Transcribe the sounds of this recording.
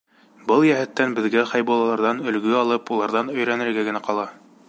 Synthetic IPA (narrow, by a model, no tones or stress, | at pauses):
bɤlˠjæɦɘt̪ːænbɘ̆ðɡæχɑjbɑlˠɑlˠɑɾðɑnɵ̆lɡɵɑlˠɤpulˠɑɾðɑnɵ̆jɾænɘ̆ɾɡæɡɘ̆næqɑlˠɑ